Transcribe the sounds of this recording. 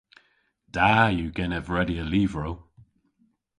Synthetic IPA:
d̥ajuɡɛnəvɹɛdiəliːvɹow

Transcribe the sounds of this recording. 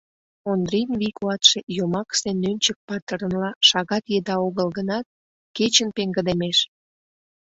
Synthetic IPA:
ond̪rinβikuɑt̪ʃejomɑksenːønʲt͡ɕək̚pɑt̪ə̆ɾə̆nlɑʃɑɣɑt̪jed̪ɑoɣəlɣənɑt̪̚ | ket͡ɕənpeŋɡə̆d̪emeʃ

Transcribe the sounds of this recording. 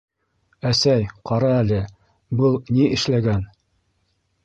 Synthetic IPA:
æsæjqɑɾɑælɘ | bɤlˠniʔɘ̆ʃlæɡæn

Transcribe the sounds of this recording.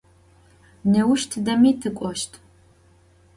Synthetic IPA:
nɐwʊʃtʰɨdɐmitʰɨkʷʼɔʃtʰ

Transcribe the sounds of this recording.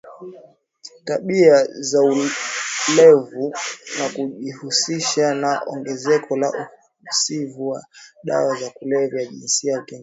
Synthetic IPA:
taɓiazau | lɛvunakuʄihusiʃanaɔ̰ŋɡɛzɛkʰɔla̰ʔuh | sivuwa̰ɗa̰wazakulɛvjjaʄḭnsiajakɛŋ

